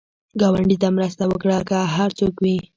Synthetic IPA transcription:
ɡawaɳɖit̪amɾəst̪awəkɽakaɦaɾt͡sokwi

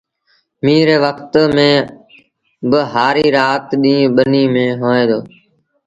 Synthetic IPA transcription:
mĩːɾeːʋəkt̪mẽː | bəɦaːɾiːɾaːt̪ɗĩːɓəniːmẽːɦoːẽːd̪oː

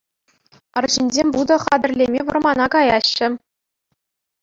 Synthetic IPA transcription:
ɤ̆rʑinʲzʲemʲbud̪ɤ̆χɑd̪ɘ̆rʲlʲemʲeʋɤ̆rmɑnɑkɑjɑɕːɘ̆

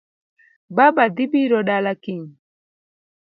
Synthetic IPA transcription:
babad̪ibiɾɔɗalakiŋ

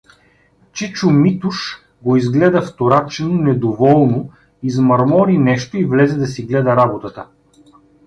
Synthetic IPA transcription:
t͡ʃit͡ʃʊmit̪uʃ | ɡoizɡlɛd̪əft̪oɾat͡ʃɛnonɛd̪ovɔlˠno | izmɐɾmɔɾinɛʃt̪oivlɛzɛd̪ɐsiɡlɛd̪ɐɾabot̪ət̪ə

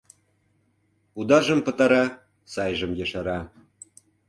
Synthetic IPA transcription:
ud̪ɑʒɤə̆mpɤ̆t̪ɑɾɑ | sɑjʒə̆mjɤʃɑɾɑ

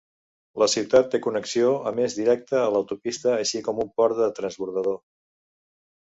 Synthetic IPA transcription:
ləsiwt̪at̪ːekunəksioəmezðiɾɛk̚t̪əːləwt̪upist̪əːʃikɔmumpɔɾt̪̚d̪ət̪ɾənzβuɾðəðo

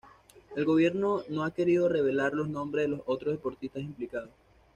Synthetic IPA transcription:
e̞lɣo̞βje̞ɾno̞no̞ake̞ɾiðo̞re̞β̞e̞laɾlo̞znõ̞mbɾe̞zðelo̞so̞t̪ɾozðe̞po̞ɾt̪ist̪asimplikaðos

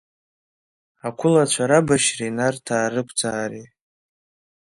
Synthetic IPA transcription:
akʷʰʊlat͡ɕʷʰaɾabaʃrinartʰaːɾɨkʷʰʼd͡zaːɾi

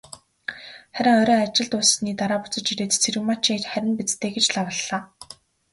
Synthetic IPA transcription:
χæɾʲɪ̆ŋɔɾʲɔːat͡ɕɪ̆ɮt̪ʊsniːt̪aɾaːpʊ̥t͡sə̆t͡ɕiɾeːt̪t͡sʰeɾɘ̆wmat͡ɕʰit͡ɕχæɾʲɪ̆npit͡st̪ʰeːɡet͡ɕɮawə̆ɮːaː

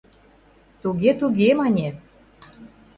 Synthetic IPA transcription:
t̪uɣet̪uɣemɑnʲe

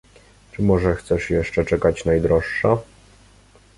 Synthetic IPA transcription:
t͡ʂɘmɔʐɛxt̪sɛʂjɛʂt͡ʂɛt͡ʂɛkat͡ɕnajd̪ɾɔʂːa

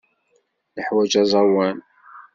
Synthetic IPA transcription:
ləħwæd͡ʒɑzˤɑwæn

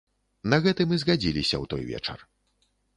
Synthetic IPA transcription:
nɐɣɛt̪ɨmɨzɣad͡zʲilʲisʲɐ̰wt̪ɔjvʲɛ̰t͡ʂɐ̰r

